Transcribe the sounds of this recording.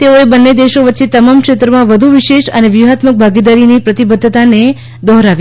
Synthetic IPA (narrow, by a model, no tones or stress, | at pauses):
t̪eoebənːed̪eʃoʋətːʃet̪əmamkʃet̪ɾəmãʋəd̪ʱuʋiʃeʃəneʋjuɦat̪mək̚bʱaɡid̪aɾinipɾət̪ibəd̪ʱːt̪ane | d̪ɔɦɾaʋj